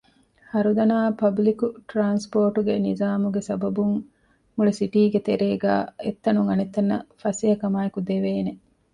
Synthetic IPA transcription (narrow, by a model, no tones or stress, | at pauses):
hɐɾud̪ɐnaːpɐblikuʈɾaːnspoːʈuɡenizaːmuɡesɐbɐbuŋ | muɭesiʈiːɡet̪eɾeːɡa̰ːet̪ːɐnuŋɐnet̪ːɐnːɐfɐsiɐkɐmaːekud̪eʋeːne